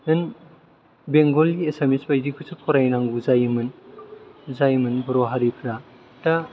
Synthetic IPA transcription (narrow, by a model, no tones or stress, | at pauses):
nɯn | beŋɡolɡiesemispajdikʰusʰɯpʰɔɾajnaŋɡuzajmɯn | zajmɯnbɔɾoɦaɾipʰɾa | ta